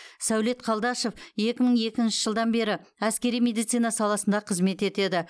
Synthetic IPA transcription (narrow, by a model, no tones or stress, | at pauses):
sæwle̞t̪̚qʰɑlˠd̪ɑʃo̞fje̞kʲɪməɴe̞kʲɪnʃɪ̥ʒəlˠd̪ɑnbe̞ɾɪæskʲe̞ɾijme̞d̪ijt̪sijnɑsɑlˠɑsənd̪ɑqʰəzme̞t̪e̞t̪e̞d̪ɪ